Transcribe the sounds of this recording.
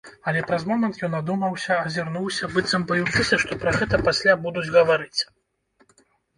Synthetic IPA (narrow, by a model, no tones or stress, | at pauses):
ɐlʲɛpɾɐzmɔmɛnt̪jɔnad̪umɐwsʲɐːzʲirnuwsʲɐbɨt̪sɐmbajut͡ʂɨsʲɐʂt̪ɔpɾɐɣɛt̪ɐpasʲlʲabud̪ud͡zʲɣɐvaɾɨt͡sʲ